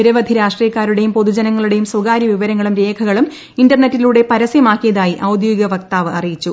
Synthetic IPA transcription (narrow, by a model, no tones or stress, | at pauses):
iɾɐʋɐd̪ʱiɾaːʂʈriːjɐkːaːɾuɽe̞jumpo̞ðud͡ʑɐnɐŋːɐɭuɽe̞jumswɐɡaːɾjɐʋiʋɐɾɐŋːɐɭumɾe̞ːkʰɐɣɐɭum | indɐrne̞tːiluːɽe̞pɐɾɐsjɐmaːkːijɐðaːjiʔɐwd̪joiɡɐʋɐk̚t̪aːʋɨʔɐrijit͡ɕːu